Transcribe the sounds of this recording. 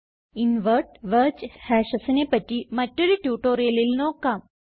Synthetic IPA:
inʋəɾʈʋəɾt͡ɕhɛɕəsənepəʈimɐʈːuɾiʈjuːʈoɾelilnokam

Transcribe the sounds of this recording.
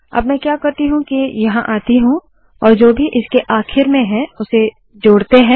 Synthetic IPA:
ɐ̰bmɛ̃kjaːkɐɾt̪iɦũkijɐɦãʔaːt̪iɦũ | ɔːɾd͡ʒoːbʱiʔɪskeʔaːxʰɪɾmẽɦɛ̃ʊse | d͡ʒoːɽt̪eɦɛ̃ː

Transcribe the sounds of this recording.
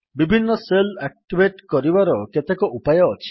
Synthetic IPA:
bibʱinːɔselak̚ʈibʱeʈkɔɾibaɾɔket̪ekɔʔupajɔːt͡ʃʰi̥

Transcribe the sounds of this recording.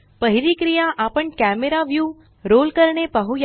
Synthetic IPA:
pəɦiɾikɾijaʔapəɳkɛmeɾaʋjuː | ɾoːlkəɾɳepəɦuj

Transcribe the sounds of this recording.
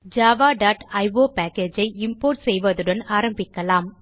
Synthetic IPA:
d͡ʒaːʋaːɖaːʈɐɪʋoːpaːkeːd͡ʒɐɪɪmpoːɾʈsɛjʋɐðɯɽɐnaːɾɐmbɪkːɐlaːm

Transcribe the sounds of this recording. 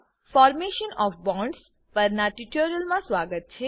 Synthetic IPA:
fɔːɾmeʃənɔːfbɔ̃ːɳɖs | pəɾnaʈiʈoɾijəlmãsʋaɡət̪̚t͡ʃʰe

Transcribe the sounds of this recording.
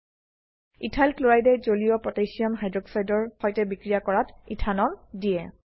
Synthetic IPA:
itʰalkloɹajdɛzolijɔpɹɔtejsiamɦajdɹɔksajdɔɹxɔjtɛbikɹijakɔɹatitʰanɔndijɛ

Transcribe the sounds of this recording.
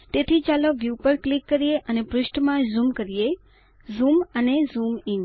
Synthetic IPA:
t̪et̪ʰit͡ʃaləʋjupəɾklɪkːəɾijeʔənepɾʊʃʈmãzumkəɾije | zumənezumɪŋ

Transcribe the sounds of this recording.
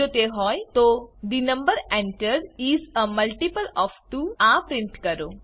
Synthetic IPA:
ot̪eɦɔːjt̪od̪inɐ̃mbəɾɛ̃ɳʈəɾiːzəmɐlʈipəlɔːfʈuːãpɾɪ̃ɳʈkɐɾo

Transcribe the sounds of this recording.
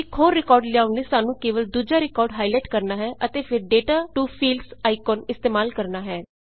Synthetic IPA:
ɪkʰoːɾːɪkɔːɾɖlɪjaːʊniːsaːnũːkeːʋəld̪uːd͡ʒaːɾɪkɔːɾɖɦaːilɛːʈkəɾnaːɦɛːʔət̪eːpʰɪɾɖeːʈaːʈuːpʰiːlsaːɪkɔːnɪst̪eːmaːlkəɾnaːɦɛː

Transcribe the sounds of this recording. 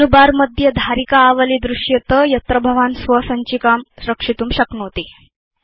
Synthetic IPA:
nubaɾməd̪ʱjəd̪ʱaɾikaːʋəlid̪ɾuʂjət̪əjət̪ɾəbʱəʋansʋəsəɲt͡ɕiːkamsɾəkʂit̪uːmɕəknot̪e

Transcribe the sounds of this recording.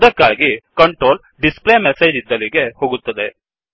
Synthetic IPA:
d̪ɐkːaːɡikɐɳʈɾoːl | ɖisplemesejd͡ʒid̪ːɐliɡe̞hoːɡut̪ːɐd̪e̞

